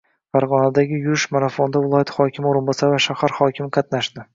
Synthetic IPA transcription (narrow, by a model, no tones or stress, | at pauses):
faɾʁɒnad̪aɡʲɪjʊɾɪʃmaɾafond̪avɪlˠɒjat̪χɒkʲɪmɪoɾɪnbɒsavaʃahaɾχɒkʲʰɪmqʰɑt̪naʃd̪ɪ